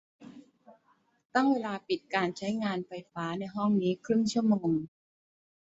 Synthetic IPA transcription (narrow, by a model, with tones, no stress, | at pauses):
t̪a˥˩ŋweː˧laː˧pi˨˩t̪̚kaː˧nt͡ɕʰa˦˥jŋaː˧nfa˧jfaː˦˥na˧jɦɔ˥˩ŋniː˦˥kʰɾɯ˥˩ŋt͡ɕʰɯ˥˩əmoː˧ŋ